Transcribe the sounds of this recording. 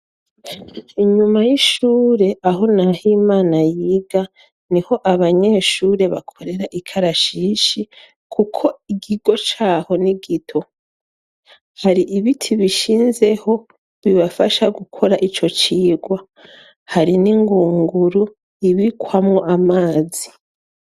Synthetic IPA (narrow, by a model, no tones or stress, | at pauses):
iɲumajiʃuːɾe̞ʔaɦo̞nahimaːnajiːɡa | niho̞ʔaβaɲe̞ːʃuːɾe̞βa̰kʰo̞ɾe̞ɾaʔikʰaɾaʃiːʃi | kʰukʰo̞iɡiɡo̞t͡ʃaːho̞niɡitʰo̞ | haɾiʔiβitʰiβiʃiːnze̞ho̞ | βiβafaʃaɡukʰo̞ɾaʔit͡ʃo̞t͡ʃiːɡwa | haɾiniŋɡuːŋɡuɾu | iβikwamŋo̞ʔamaːzi